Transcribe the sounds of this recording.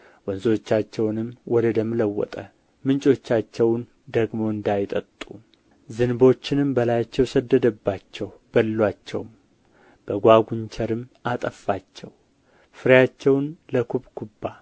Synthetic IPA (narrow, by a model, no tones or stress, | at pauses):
wɔnzo̞t͡ʃːat͡ʃːɛwnɨmwɔd̪əd̪əmɨləwːɔ̰t̪ʼə | mɨnt͡ʃʼo̞t͡ʃːat͡ʃːɛwn | d̪əɡmo̞ɨnd̪ajɪt̪ʼət̪ʼːu | zɨnɨbo̞t͡ʃːɪnɨmbəlajat͡ʃːɛwsəd̪ːəd̪əbːat͡ʃːɛw | b̥əlːwat͡ʃːɛ̰wm | b̥əɡʷaɡuɲt͡ʃʰɛɾɨmat̪ʼəfːat͡ʃːɛw | fɨɾjat͡ʃːɛwnləkʰuβʼkʰubːa